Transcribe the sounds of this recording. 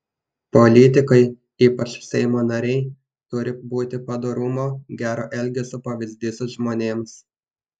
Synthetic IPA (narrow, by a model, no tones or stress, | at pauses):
polʲɪt̪ʲɪkɐɪ | iːpɐt͡ʃsʲɛɪmoːnɐɾʲɛɪ | t̪ʊɾʲɪbuːt̪ʲɪpɐd̪oːɾʊmoːɡʲæːɾoːʔɛlʲɡʲɛsʲʊpɐʋʲɪzʲd̪ʲiːsʊʒmoːnʲeːms